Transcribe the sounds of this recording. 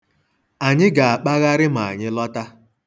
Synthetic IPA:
a˨ɲɪ˦ɡa˨a˨k͡pa˦ɣa˦ɾɪ˦ma˨a̰˨ɲɪ˦lɔ˦ta˦

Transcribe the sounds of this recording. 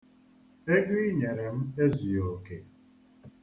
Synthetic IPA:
e˦ɡi˦ɲe˨ɾe˨m̩˦e˦zu˨jo˨ke˨

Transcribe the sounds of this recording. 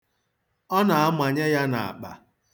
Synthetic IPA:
ɔ˦na˨a˦ma˨ɲe˦ja˦na̰˨a̰˨k͡pa̰˨

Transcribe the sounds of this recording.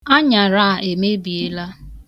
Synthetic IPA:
a˦ɲa˨ɾa˦˨ʔe˨me˦bi˨e˦la˦

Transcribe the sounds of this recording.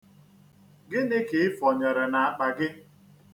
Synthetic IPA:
ɡɪ˦nɪ˦ke˨ɪ˦fɔ˨ɲɔ˨ɾɔ˨na˨a˨k͡pa˨ɡɪ˦

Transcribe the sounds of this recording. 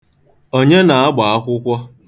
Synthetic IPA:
o˦ɲe˦na˨a˦ɡ͡ba˨a˦kʷʊ˦kʷɔ˦

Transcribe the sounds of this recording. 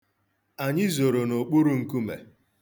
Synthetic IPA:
a˨ɲɪ˦zo˨ɾo˨no˨k͡pu˦ɾu˦ŋ̩˦ku˦mḛ˨

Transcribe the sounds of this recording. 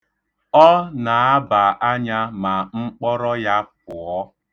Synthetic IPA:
ɔ˦na˨a˦ba˨ʔa˦ɲa˦ma˨ŋ͡m̩˦k͡pɔ˦ɾɔ˦ja˦p̚ʊ˨ɔ˦

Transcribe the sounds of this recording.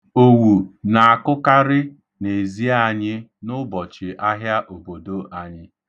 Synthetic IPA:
o˨wu˨na˨a˨kʊ˦ka˦ɾɪ˦ | ne˨zi˦a˦˨ɲɪ˦nʊ˦bɔ˨t͡ʃɪ˨ʔa˦ɦja˦ʔo˨bo˨do˦ʔa˨ɲɪ˦

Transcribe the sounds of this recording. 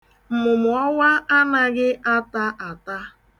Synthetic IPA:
m̩˨mʊ˨mʊ˨ɔ˦wa˦a˦na˦ɡɪ˦ʔa˦ta˦ʔa˨ta˦

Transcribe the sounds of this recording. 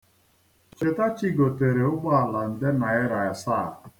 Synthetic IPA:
t͡ʃe˨ta˦t͡ʃi˦ɡo˨te˨ɾe˨ʊ˦ɡ͡bɔ˦a˨la˨n̩˨dɪ˦na˨ɪ˦ɾa˨ɪ˨sa˦˨

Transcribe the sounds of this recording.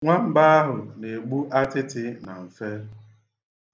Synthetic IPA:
ŋʷa˦m̩˦ba˦a˦ɦʊ˨ne˨ɡ͡bu˦ʔa˦tɪ˦tɪ˦na˨m̩˨fe˦

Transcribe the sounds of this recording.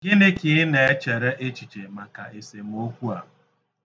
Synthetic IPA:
ɡɪ˦nɪ˦kɪ˨ɪ˦ne˨e˦t͡ʃe˨ɾe˦ʔe˦t͡ʃi˨t͡ʃe˨ma˨ka˨ʔe˨se˨m̩˦o˦kʷu˦a˨˦

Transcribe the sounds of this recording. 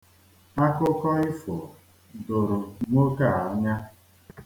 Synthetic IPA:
a˦kʊ˦kɔ˦ɪ˦fo˨ | do˨ɾʊ˨ŋʷo˦ka˦˨a˨˦ɲa˦

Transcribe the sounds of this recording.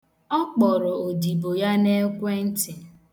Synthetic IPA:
ɔ˦k͡pɔ˨ɾɔ˨o˨di˨bo˨ja˦ne˦kʷe˦n̩˦tɪ˨

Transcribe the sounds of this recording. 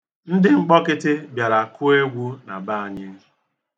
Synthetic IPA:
n̩˦dɪ˦ŋ͡m̩˦k͡pɔ˦kɪ˦tɪ˦bja˨ɾa˨kʰʊ˦e˦ɡʷu˦na˨ba˦a˨ɲɪ˦

